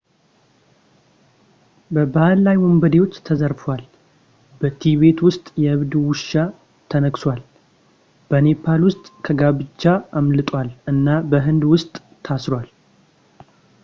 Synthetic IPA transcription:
bəbahlːajwombəd̪ewo̞t͡ʃːt̪ʰːəzəɾfwal | bət̪ʰiβe̞t̪wʊst̪ʼjɛʔɨβd̪wʊʃːa | t̪ʰənəɡswal | b̥əne̞pʰalwʊst̪ʼkʰəɡaβɨt͡ʃːaamlɨt̪ʼwalɨnːabəɦɨnd̪wʊst̪ʼʰːasɾwal

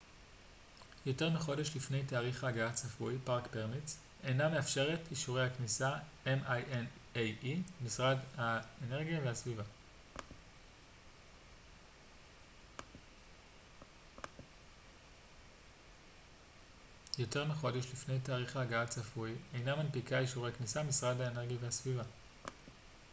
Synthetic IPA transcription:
jo̞te̞ʁmiχo̞deʃlifne̞jtaːʁiχaːɡaat͡safujpaʁkpe̞ʁmit͡s | e̞jname̞afʃe̞ʁetiʃuʁejhaknisa | emajenejimisʁadhaene̞ʁɡijavehasviva | jo̞te̞ʁmiχo̞deʃlifnejtaːʁiχaɡaat͡safujejnamanpikaiʃuʁejaknisamisʁadhaene̞ʁɡijavehasviva

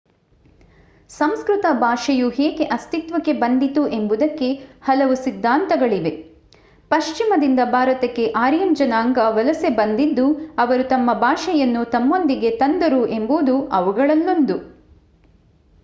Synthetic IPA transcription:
sɐmskɾut̪ɐbʱaːʃɐjuɦɛːɡe̞ʔɐst̪it̪ʋɐkːe̞bɐnd̪it̪uʔe̞mbud̪ɐkːe̞hɐlɐʋusid̪ʱːaːnt̪ɐɡɐɭiʋe̞ | pɐʃt͡ʃimɐd̪ind̪ɐbʱaːɾɐt̪ɐkːe̞ʔaːɾjɐmd͡ʒɐnaːŋɡɐʋɐlɐse̞bɐnd̪id̪ːuɐʋɐɾut̪ɐmːɐbʱaːʃɛjɐnːut̪ɐmːo̞nd̪iɡe̞t̪ɐnd̪ɐɾuʔe̞mbud̪uɐʋuɡɐɭɐlːond̪u

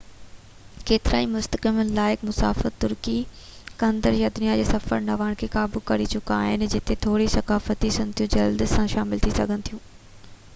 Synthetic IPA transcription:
keːt̪ɪɾa̰ːimʊst̪əkɪmənlaːɪkmʊsa̰ːfət̪ːʊɾkikɐ̃nd̪əɾjad̪ʊnijad͡ʑeːsɐfəɾnɐʋaːɽ̃kʰeːkaːbukɐɾit͡ɕʊka̰ːɦɪnd͡ʑɪt̪et̪ʰoːɽisɐkaːfət̪isʊnt̪ʰiũd͡ʑɐld̪sãʃaːmɪlt̪ʰisɐ̰ɡʱənɪ̆t̪ʰijũː

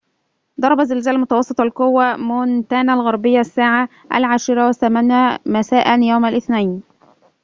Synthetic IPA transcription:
d̪ˤɑɾˤɑbazːɪlzæːlmʊt̪ɑwɑsˤːɨt̪ˤɑlqʊwːamʊnt̪ænalɣɑɾˤbɪjːasːaːʕa | ʔa̰lʕaːʃɪɾˤɑwaθæmanamæsaːʔanjawmalʔɪθnajn

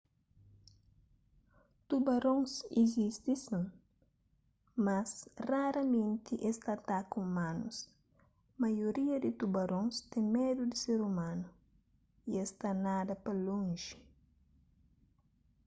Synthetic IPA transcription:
t̪ubɐɾõŋsḭzist̪isɐ̃ŋ | mɐsraɾɐmẽnt̪iʔest̪at̪akũmãnṵs | mɐjoɾiɐd̪it̪ubɐɾõŋst̪ẽŋmed̪ud̪iseɾumãnu | iest̪anad̪ɐpɐlõŋʒi̥

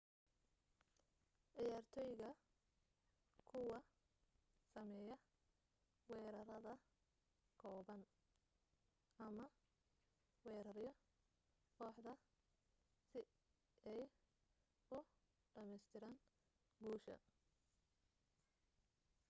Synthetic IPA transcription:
ʕɪjaːrt̪ʰɔːjɣɐ | kʰʊwɐ | sɐmɛjɐ | wɛːɾɐɾɐðɐ | kʰɔːβɐn | ʔɐmɐ | wɛːɾɐrjɔ | kʰɔːħd̪ɐ | sɪ | ɛj | ʊ | ɖɐmɛjst̪ʰɪɾaːn | ɡuːʃɐ̰

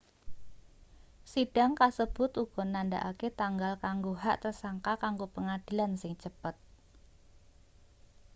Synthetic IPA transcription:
siɖ̥a̤ŋkasəb̥ʊt̪uɡ̥ɔ̤nanda̰ʔaket̪aŋɡalkaŋɡoɦaʔt̪ərsaŋkakaŋɡopəŋad̥i̤lansɪŋt͡ʃəpət̪̚

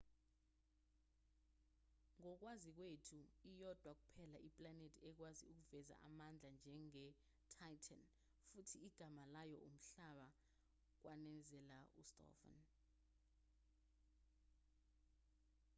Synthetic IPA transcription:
ŋɔk̬wazik̬wetʰuijɔd̥ʱwak̬upʰɛlaʔipʼlanetʰʼiɛk̬waziuk̬uvɛza̰ʔamand͡ɮʱand͡ʒʱɛŋɛ | tʰajtʰan | futʰiiɡ̥ʱamalajɔʔum̩ɬaɓa | k̬wʔanɛnd͡zʱɛlaustʼɔ̰fɔ̰n

